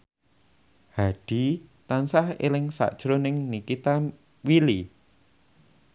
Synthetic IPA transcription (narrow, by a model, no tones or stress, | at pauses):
haɖ̪̥i̤t̪ansahḛlɪŋsa̰ʔd̥ʒ̥ɾonɪŋnikit̪a | wili